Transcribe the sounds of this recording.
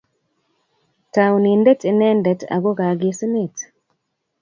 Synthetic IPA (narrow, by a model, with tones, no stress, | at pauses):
ta˨wni˨ndɛ˦te˨nɛ˦ndɛ˨ta̰˨ɡo˦ɡa˨ɡɪ˦sni˦˨t